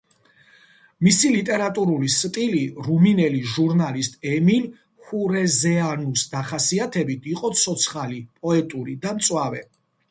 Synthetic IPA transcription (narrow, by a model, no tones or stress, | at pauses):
misilit̪ʼɛɾat̪ʼuɾulist̪ʼiliɾuminɛliʒuɾnalist̪ʼɛmin | huɾɛzɛanusd̪aχasiat̪ʰɛbit̪ʰiqʼɔt̪sʰɔt̪sʰχalipʼɔɛt̪ʼuɾid̪amt̪sʼwavɛ̰